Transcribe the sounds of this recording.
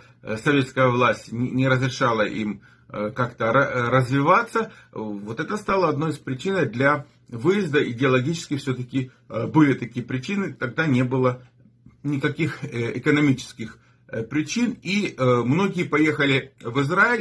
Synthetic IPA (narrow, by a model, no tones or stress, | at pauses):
sɐvʲe̞t̪skəjəvlˠasʲtʲnʲnʲɪɾəzɾʲɪʂɑlˠəʔim | kakt̪əəɾəzvʲɪvat̪səvo̞t̪ɛt̪əst̪alˠəɐd̪no̞jɪspɾʲɪt͡ɕinəd̪lʲɐ | vɨjɪzd̪əʔɪdʲɪɐlˠɐɡʲit͡ɕɪ̥skʲɪfsʲɵt̪əkʲɪ | bɨlʲɪt̪ɐkʲijəpɾʲɪt͡ɕinɨt̪ɐɡ̚d̪anʲe̞bɨlˠə | nʲɪkɐkʲixɪ̰kənɐmʲit͡ɕɪ̥skʲɪx | pɾʲɪt͡ɕinimno̞ɡʲɪjəpɐje̞xəlʲɪvɨzɾaɪlʲ